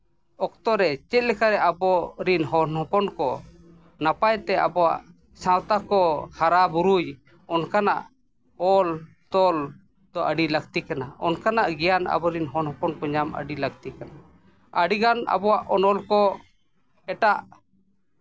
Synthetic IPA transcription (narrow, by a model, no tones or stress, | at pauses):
ɔk̚t̪ɔɾɛt͡ʃɛt̪̚lɛkaɾɛʔabɔɾinɦɔnhɔ̃pɔnkɔ | napajt̪ɛa̰bɔwa̰ʔ | sãwt̪akɔhaɾabuɾuj | ɔnkanaʔ | ɔl | t̪ɔl | d̪̥ɔʔəɖiləɡ̚t̪ikanaɔ̰nkanaʔɡɛjana̰bɔɾinɦɔnhɔ̃pɔnkɔɲamə̰ɖilək̚t̪ikana | əɖiɡana̰bɔwaʔɔnɔlkɔ | ɛʈaʔ